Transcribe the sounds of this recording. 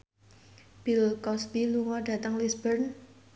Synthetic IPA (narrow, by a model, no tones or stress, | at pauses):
b̥ilkɔsbiluŋɔɖä̤t̪əŋlisbərn